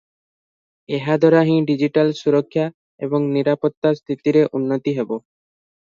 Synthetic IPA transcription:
eɦad̪ʱɔɾaɦĩɖid͡ʑiʈalsuɾokʰːja | eboŋniɾapot̪ːast̪ʰit̪iɾeʔunːot̪iɦebo

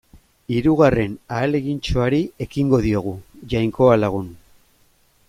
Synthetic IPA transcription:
iɾuɣare̞naːle̞ɣint͡ʃo̞aɾiekiŋɡo̞ðio̞ɣ̞uʝajŋko̞alaɣ̞un

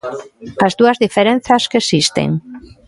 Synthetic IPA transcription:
azðuazðifeɾen̟θaskesist̪ḛŋ

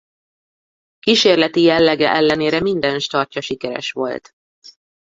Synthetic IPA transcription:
kiːʃeːrlɛt̪ijɛlːɛɡɛ̰ʔɛlːɛneːɾɛmind̪ɛnʃt̪ɒrcɒʃikɛɾɛ̰ʃʋo̞̰lt̪

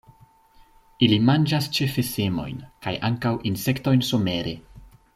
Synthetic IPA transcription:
ilimand͡ʒast͡ʃe̞fe̞se̞mo̞̰jnkajʔaŋkawʔinse̞kto̞jnsome̞ɾe̞̰

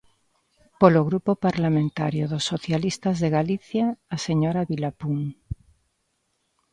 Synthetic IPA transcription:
poloɣɾupopaɾlamẽnt̪aɾjoðosːoθjalist̪azðeɣaliθjaːseɲoɾaβilapuŋ

